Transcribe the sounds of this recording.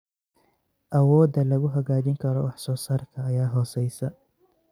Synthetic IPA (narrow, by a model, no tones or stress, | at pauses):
ʔɐwɔːd̪ɐlɐɣʊɦɐɣaːd͡ʒɪŋkʰɐɾɔ̰wɑħsɔːsaːrkʰɐːjaːɦɔːsɛjsɐ